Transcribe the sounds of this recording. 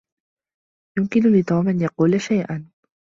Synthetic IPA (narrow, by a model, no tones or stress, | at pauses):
jʊmkɪnʊlɪt̪ˤuːmʔanjɑquːlaʃajʔan